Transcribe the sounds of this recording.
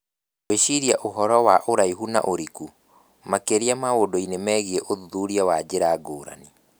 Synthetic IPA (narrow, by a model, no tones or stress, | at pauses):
weʃiɾiaʔoɦɔɾɔwaʔoɾaiɦuna̰ʔoɾiku | makeɾiamaodoinemɛːɣiɛʔoðuðuɾiawad͡ʑeɾaːɡoːɾa̰ni